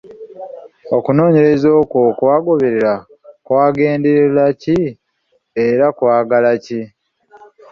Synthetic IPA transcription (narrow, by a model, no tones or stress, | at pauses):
o̞kuno̞ːɲe̞ɾe̞zo̞ːkokwaːɡo̞βe̞ɾeɾa | kwaːɡe̞ːndeɾelaci | e̞ɾakwaːɡalaci